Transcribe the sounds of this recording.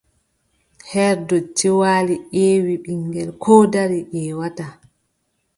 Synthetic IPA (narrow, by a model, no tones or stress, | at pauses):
hɛɾdɔd͡ʒiwaːliʔeːwiɓiŋɡɛlkʰɔːdaɾiʔɛːwata